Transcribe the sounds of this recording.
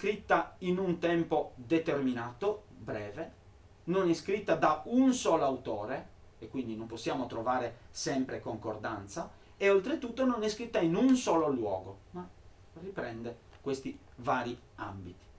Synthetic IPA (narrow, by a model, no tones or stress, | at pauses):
skɾit̪ːainunt̪ɛmpod̪et̪erminaːt̪o | bɾɛːve | nonɛskɾit̪ːad̪aunsɔːloawt̪ɔːɾe | ekːwind̪inomposːjaːmot̪ɾovaːɾesɛmpɾekoŋkord̪ant̪sa | eolt̪ɾet̪ːut̪ːononɛskɾit̪ːainunsɔːlolwɔ̰ːɡoma | ripɾɛnd̪ɛ | kwest̪i | vaːɾi | a̰mbit̪i̥